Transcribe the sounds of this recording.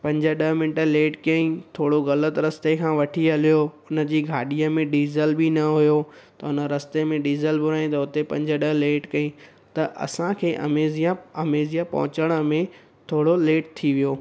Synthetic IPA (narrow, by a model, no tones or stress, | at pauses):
pɐ̃ɲd͡ʑə̆ɗɐɦmɪ̃nʈəleːʈkɐĩt̪ʰoːɽoɣɐlət̪ɾɐst̪ekʰãːʋɐʈʰiɦɐlijoʊnə̆d͡ʑiːɡʱaːɗijəmẽɖiːzəlbinɐɦʊjot̪ɐʊnəɾɐst̪emẽɖiːzəlbʊɾaːĩt̪ɐʊt̪epɐ̰̃ɲd͡ʑə̆ɗɐɦleːʈkɐĩ | t̪ɐʔɐ̰sãkʰeːʔɐ̰meːzijaɐmeːzijapɐ̰ɦʊ̃t͡ɕəɽ̃ə̆mẽ | t̪ʰoːɽoleːʈ̚t̪ʰːiʋijoː